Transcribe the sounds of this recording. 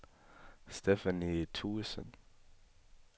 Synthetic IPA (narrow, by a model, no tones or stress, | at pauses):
stefænitʰuːsə̰̃n